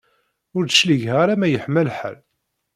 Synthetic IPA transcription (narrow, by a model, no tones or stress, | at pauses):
ʊɾd̪əʃliʝɦaɾæmæjəħməlħə̰l